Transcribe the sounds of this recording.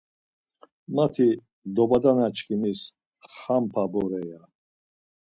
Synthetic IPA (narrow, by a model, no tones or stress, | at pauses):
mat̪ʰi | d̪ɔbad̪anat͡ʃʰkʰimis | χampʰabɔɾɛja